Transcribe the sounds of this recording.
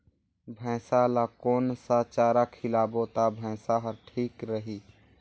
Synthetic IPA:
bʱɛ̃ːsalakoːnsat͡ʃaːɾakʰɪlaːboːt̪abʱɛ̃ːsaɦəɾʈʰiːkɾəɦi

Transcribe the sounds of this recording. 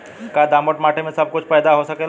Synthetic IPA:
kad̪amoʈmaʈʰemesəb̚kut͡ɕpəjd̪aɦosəkel

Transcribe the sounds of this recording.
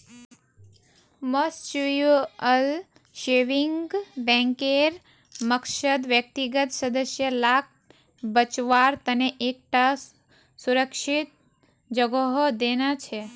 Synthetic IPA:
most͡ʃujoəl | ʃeʋiŋɡɡbɛ̃ŋkeɾ | məkʃəd̪ʋjək̚t̪iɡət̪səd̪əsjəlak̚ | bət͡ʃʋaɾt̪əneʔek̚ʈas | suɾəkʃit̪̚ | d͡ʒəɡoɦod̪enat͡ʃʰe

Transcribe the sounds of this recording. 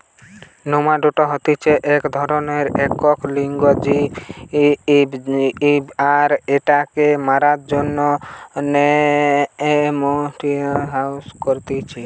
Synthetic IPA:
nomaɖoʈɔɦɔt̪it͡ʃʰeʔekd̪ʱɔɾɔneɾɛkɔkliŋɡɔd͡ʒi | aɾeʈakemaɾat̪d͡ʒonːɔne | emɔʈiɦawskɔɾt̪it͡ʃʰi

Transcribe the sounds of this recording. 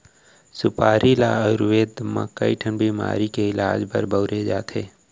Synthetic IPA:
sʊpaːɾʔilaɾʊʋeːd̪ma̰kːəiʈʰənbʱima̰ːɾikeɪla̰ːd͡ʒbə̰ɾbəʊɾed͡ʒaːt̪ʰeː

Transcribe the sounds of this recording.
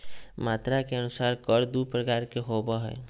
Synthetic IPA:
mat̪ɾakeənʊsaɾkəɾd̪upɾəkaɾkeɦobəɦɛ̰j

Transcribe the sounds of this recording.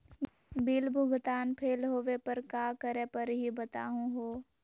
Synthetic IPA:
biːlbʱʊɡt̪aːnpʰeːlɦoːʋepɐɾkaːkəɾẽpəɾɦibɐt̪a̰ːɦũɦoː

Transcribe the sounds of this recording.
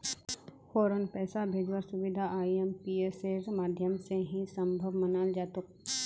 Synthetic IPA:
foːɾənpɛːsabʱeːd͡ʒwaɾsʊʋɪd̪ʱaʔaːiempiːeseɾmaːd̪ʱjəmseɦĩsə̃mbʱəʋmənaːld͡ʒaːt̪ʊk̚

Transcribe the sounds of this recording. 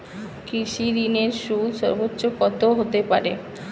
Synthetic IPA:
kɾiʃiɾineɾʃulʃɔ̰ɾbotːɕokɔt̪oɦot̪epa̰ɾḛ

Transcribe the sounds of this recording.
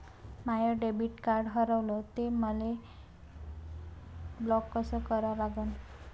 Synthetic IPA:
majəɖebiʈkaɾɖɦəɾəwlɔt̪eməle | blɔkːəsəkəɾalaɡən

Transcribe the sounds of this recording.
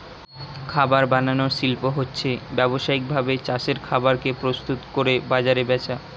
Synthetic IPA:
kʰabaɾbananoɾʃilpoɦotːɕʰebɛboʃaik̚bʱabet͡ɕaʃeɾkʰabaɾkepɾost̪ut̪koɾebad͡ʑaɾebɛt͡ɕʰa

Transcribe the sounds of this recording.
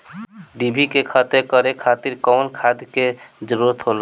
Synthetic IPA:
ɖibʱikekʰat̪ekəɾekʰat̪iɾkɔwnkʰad̪ked͡ʒəɾuɾət̪ɦol

